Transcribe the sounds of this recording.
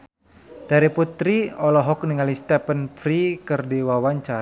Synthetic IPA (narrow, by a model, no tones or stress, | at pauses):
d̥aɾiput̪ɾiɔlɔɦɔk̚niŋalist̪ɛpənfɾikərdiwawaɲt͡ʃa